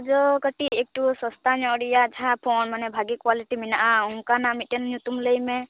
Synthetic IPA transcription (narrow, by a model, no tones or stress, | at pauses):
d͡ʒɔkəʈiek̚ʈusɔst̪aɲɔ̃ɽijad͡ʒʰʱapʰɔnmanɛbʱaɡikwaliʈiminaʔauŋkanamitenɲut̪umləjmɛ